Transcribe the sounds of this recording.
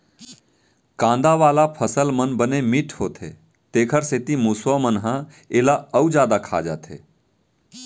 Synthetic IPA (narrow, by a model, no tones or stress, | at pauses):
kãːnd̪aʋaːlapʰəsəlmənbənemiʈʰɦoːt̪ʰḛ | t̪eːkʰəɾset̪imusʋamənɦã | eːlaəwd͡ʒjaːd̪akʰa̰ːd͡ʒa̰t̪ʰḛː